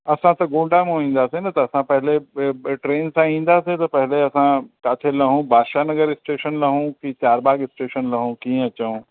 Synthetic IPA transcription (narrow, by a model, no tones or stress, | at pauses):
ɐsãt̪ɐɡõːɖamẽʋĩːn̆d̪aːsenɐt̪ɐːsãpɐɦɪleʈɾeːnsãĩːn̆d̪aːset̪ɐpɐɦɪleɐsãkaːt̪ʰelɐɦũbʱaːʃaːnɐɡəɾɪsʈeːʃənlɐɦũkit͡ɕaːɾbaːɡɪsʈeːʃənlɐɦũkĩːə̃ɐt͡ɕɐũ